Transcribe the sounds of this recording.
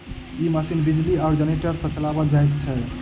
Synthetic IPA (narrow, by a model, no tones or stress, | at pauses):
imasinbid͡ʒliaʊɾd͡ʒəneʈəɾsə̃t͡ʃəlabəd͡ʒajt̪t͡ʃʰɛ